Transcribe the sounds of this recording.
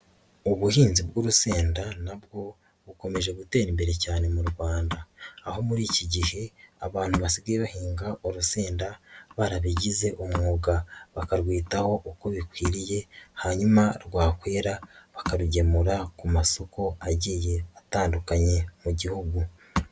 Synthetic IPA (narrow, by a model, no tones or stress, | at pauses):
uβuhiːnzibɡuːɾuseːndanabɡo̞ | βuko̞me̞ʒe̞ɡute̞ːɾimbe̞ɾe̞caːne̞muɾɡwaːndaːho̞muɾiːciɟihe̞a̰βaːn̥huβasiɡijβuhiːŋɡaʔoɾuseːndaβaɾaβiɟize̞ʔomŋuːɡaβakaɾɡwiːtaho̞ʔuko̞βikwiːɾije̞haɲumaɾɡwaːkwe̞ːɾaβḁkaɾuɟe̞muɾakumaso̞ko̞aɟije̞ataːndukaɲe̞muɟihuɡu